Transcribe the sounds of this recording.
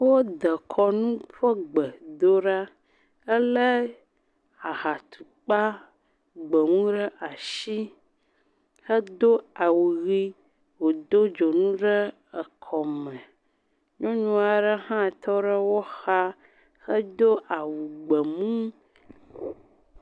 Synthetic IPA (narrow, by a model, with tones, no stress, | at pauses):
wo˦d̪ə˨kʰɔ˦nũ˦ɸə˦ɡ͡bə˨d̪o˦ɖa˦ | ə˦lə˦ | a˨xa˨t̪u̥˨k͡pa˦ | ɡ͡bə˨mũ˦ɖə˦ʔa˨ʃi˦ | xə˦d̪o˦a˨wu˨ɣi˦ | wo˨d̪o˦d͡ʒo˨nũ˦ɖə˦ | ə˨kʰɔ˨mə̃˨ | ɲɔ̃˦ɲũ˦a˨ɖə˦hã˦˨t̪ʰɔ˦ɖə˦wo˦xa˦ | xə˦d̪o˦ʔa˨wu˨ɡ͡bə˨mũ˦